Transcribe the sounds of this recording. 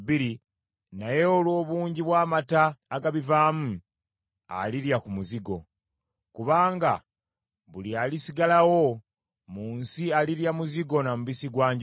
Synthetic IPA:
biɾi | naje̞olwo̞ːβuːɲɟiβwaːmataːɡaβivaːmu | a̰liɾjakumuziɡo̞ | kuβaːŋɡa̰ | βulialisiɡalawo | muːnsialiɾjamuziɡo̞namuβisiɡwaːɲɟ

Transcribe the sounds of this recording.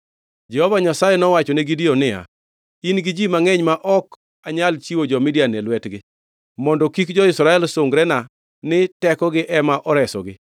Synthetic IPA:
d͡ʒɛhɔvaɲasajɛnɔwat͡ʃɔneɡidiɔnɪja̰ | inɡɪd͡ʒimaŋɛɲmaʔɔk | aɲalt͡ʃiwod͡ʒɔmɪdianɛlwɛtɡɪ | mɔndɔkikd͡ʒɔɪsɾaɛlsoŋɡɾɛna | nɪtɛkɔɡɪʔɛmaʔɔɾɛsɔ̰ɡɪ

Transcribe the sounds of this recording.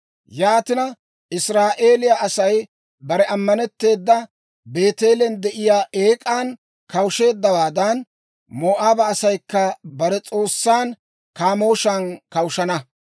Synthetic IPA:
jaːt̪ɪnɐ | ʔɪsɾaːʔe̞ːlɪjaʔɐsɐj | bɐɾɛɐmːɐnɛt̪ːe̞ːd̪ːɐ | be̞ːt̪e̞ːlɛnd̪ɛʔɪjaːʔeːkʼaːn | kɐwʃe̞ːd̪ːɐwaːd̪ɐn | moːʔaːbɐːsɐjkːɐbɐɾɛt͡sʼo̞ːsːaːn | kaːmo̞ːʃɐnkɐwʃɐnɐ

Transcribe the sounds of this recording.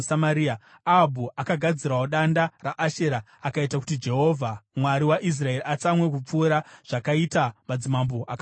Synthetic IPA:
samaɾia | abʱuakaɡʱad͡ziraoɗandaraʔaʃe̞ɾa | akaitaku̥tid͡ʒe̞ɦo̞ːvʱamwaɾiwaʔis̬rae̞ɾiat͡samwe̞k̬up͡fuːɾaʐ̥akaitamad͡zimamboʔaka

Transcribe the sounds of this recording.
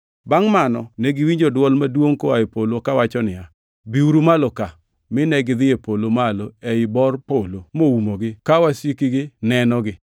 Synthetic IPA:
baŋmanɔneɡɪwiɲd͡ʒodwɔlmadwoŋkoaɪpolokawat͡ʃɔnɪa | biuɾumaloka | mɪnɛɡɪd̪ɪepolomaloɛɪbɔrpolomoumoɡɪkawasikiɡɪnɛnɔɡɪ

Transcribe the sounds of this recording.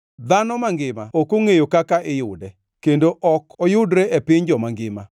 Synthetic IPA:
d̪anɔmaŋɡɪmaokoŋejokakaʔɪjʊdɛ | kendoʔɔkʰɔjʊdɾeʔɛpɪɲd͡ʒɔmaŋɡɪma

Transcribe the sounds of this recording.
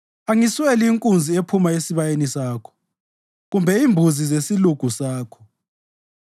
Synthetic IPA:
aŋisweliːŋkʼund͡zʱiepʰumaesiβajenisaːkʰɔ̥ | ɣumbʱɛimbʱuzizesiluɡ̥ʱusaːkʰɔ̥

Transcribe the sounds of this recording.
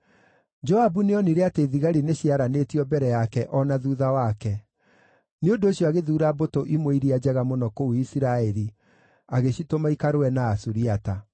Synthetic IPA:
d͡ʒɔabuneɔniɾeateðiɣaɾineɕiaɾanetiɔbɛɾɛjakɛʔɔnaðuðawakɛ | neondoːɕijɔaɣeðuːɾabotoʔimwoiɾiad͡ʑɛɣamonɔkouisiɾaɛɾi | aɣeɕitomaikaɾoɛnaːsuɾiata

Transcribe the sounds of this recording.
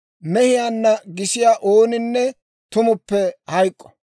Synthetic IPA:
mɛhɪjaːnːɐɡɪsɪjaːʔoːnɪnːɛ | t̪ʊmʊpːɛhɐjkʼːɔ̥

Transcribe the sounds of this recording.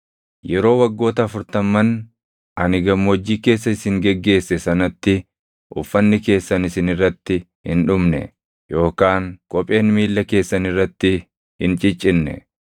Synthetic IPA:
jɛɾo̞ːwɐɡːo̞ːt̪ɐːfʊɾt̪ɐmːɐn | ɐnɪɡɐmːoːd͡ʒːiːke̞ːs̬ːɐɪsɪŋɡɛɡːe̞ːsːɛsɐnɐt̪ːɪ | ʔʊfːɐnːɪke̞ːsːɐnɪsɪnɪrːɐt̪ːɪ | hɪ̰nᶑʊmnɛ̰ | jo̞ːkaːŋkʼɔpʼe̞ːnmiːlːɐke̞ːsːɐnɪrːɐt̪ːɪ | hɪnt͡ʃʼɪt͡ʃʼɪnːɛ̰

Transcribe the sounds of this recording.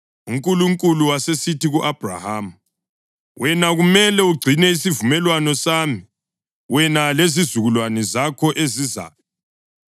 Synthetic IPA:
uŋkʼuluŋkʼuluwasesitiɣuʔab̥ʱra̰haːm̩ | wɛnaɣumɛlɛuɡ͡ǀʱinɛisivumɛlwanɔsaːmi | wɛnalezizuɣulwanɛzakʰɔʔeziza̰ːjɔ

